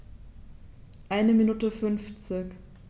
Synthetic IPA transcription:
ʔaɪnəminuːtəfʏnft͡sɪk

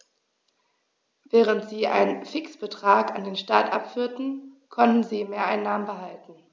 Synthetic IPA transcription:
vɛːʁ̞əntz̥iːʔa̰ɪnənfɪksb̥ətʁ̥aːkandeːnʃtaɐtʔa̰pfyːɐtn̩ | kʰɔntn̩ziːmeːɐʔaɪnːaːmənbəɦaltn̩

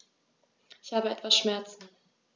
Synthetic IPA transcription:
ʔɪçhaːbəɛtv̥asʃmɛɐt͡sn̩

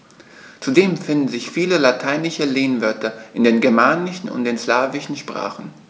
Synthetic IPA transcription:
t͡sudeːmfɪndn̩zɪçfiːləlatʰaɪnɪʃəleːnvœɐtɐʔɪndeːnɡɛɐmaːnɪʃn̩ʊ̰nt̚d̥eːnslaːvɪʃn̩ʃpʁ̥a̰ːχn̩

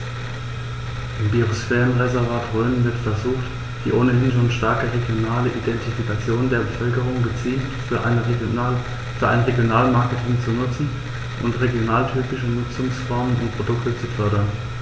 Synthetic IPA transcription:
ʔɪmbiʁosfɛːʁənʁezɛɐvaːtʁøːnənvɪɐtfɛɐzuːxt | d̥iːʔoːnəhɪnʃ̬oːnʃtaɐkəʁeɡjonaːləʔidɛntifikat͡sjoːndeːɐbəfœlkəʁ̞ʊŋɡət͡siːltfyɐ | fyːɐʔa̰ɪnəʁeɡjonaːlmaɐkətʰɪŋt͡sunʊt͡sn̩ | ʔʊntʁeɡjonaːltʰyːpɪʃənʊt͡sʊŋsfɔɐmənʊ̰nt̚pʁ̥odʊktət͡sufœɐɾɐn

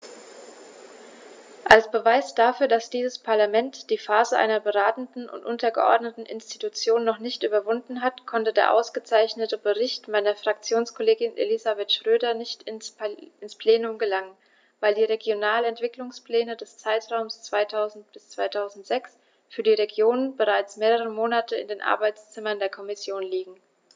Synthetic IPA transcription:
ʔalsb̥əvaɪsd̥afyːɐdasd̥iːzəspʰaɐlamɛntd̥iːfaːzəʔa̰ɪnɐbəʁaːtn̩tn̩ʔʊ̰ntʔʊntɐɡə̰ʔɔ̰ɐdnətn̩ʔɪ̰nstitut͡sjoːnːɔχnɪçtʔyːbɐvʊndn̩ɦatkʰɔntədeːɐʔa̰ʊsɡ̥ət͡saɪçnətəbəʁɪçtmaɪnɐfʁ̥ak̚t͡sjoːnskʰɔleːɡɪnʔḛlizabɛtʃʁ̥øːdɐnɪçt | ʔɪnspʰl̥eːnʊmɡəlaŋən | vaɪldiːʁeɡjonaːlɛntv̥ɪklʊŋspl̥ɛːnədɛst͡saɪtʁ̥aʊmst͡sv̥aɪtʰaʊzn̩t̚b̥ɪst͡sv̥aɪtʰaʊzn̩tz̥ɛks | fyːɐdiːʁeɡjoːnənbəʁaɪt͡smeːʁəʁ̞əmoːnatʰəɪ̰ndeːnʔa̰ɐbaɪt͡st͡sɪmɐndeːɐkʰɔmɪsjoːnliːɡŋ̩

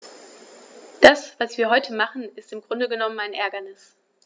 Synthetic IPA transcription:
d̥asv̥asv̥iːɐɦɔʏtʰəmaχn̩ɪstɪmɡʁʊndəɡənɔmənaɪnʔɛɐɡɐnɪs

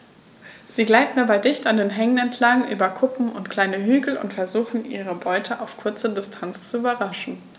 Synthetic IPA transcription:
z̥iːɡlaɪtn̩dabaɪdɪçtandeːnɦɛŋənɛntʰlaŋʔy̰ːbɐkʰʊpm̩ʊntkʰl̥aɪnəɦyːɡl̩ʊ̰ntfɛɐzuːxn̩ʔḭːʁ̞əbɔʏtʰəʔaʊfkʰʊɐt͡sədɪstʰant͡st͡suyːbɐʁaʃn̩

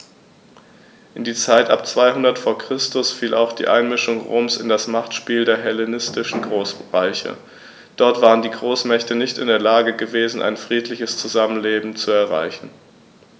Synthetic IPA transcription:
ʔɪndiːt͡saɪtʔa̰pt͡sv̥aɪɦʊndɐtfoːɐkʁ̥ɪstʊsfiːlʔa̰ʊxd̥ḭːʔa̰ɪnmɪʃʊŋʁo̰ːmsɪ̰ndasmaχtʃpiːldeːɐɦɛlenɪstɪʃn̩ɡʁoːsʁaɪçə̰ | d̥ɔɐtv̥aːʁəndiːɡʁoːsmɛçtənɪçtɪ̰ndeːɐlaːɡəɡəveːzn̩ʔa̰ɪnfʁ̥iːtʰlɪçəst͡suzamənleːbm̩t͡suɛɐʁa̰ɪçn̩

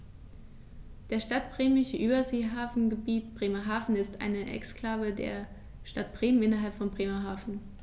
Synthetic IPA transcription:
d̥eːɐʃtat̚b̥ʁ̥eːmɪçəʔyːbɐzeːɦaːfn̩ɡəbiːtb̥ʁeːmɐɦaːfn̩ɪstʔa̰ɪnəʔɛ̰ksklaːvədḛːɐ | ʃtat̚b̥ʁ̥eːmənʔɪnɐɦalpfɔnbʁeːmɐɦaːfn̩

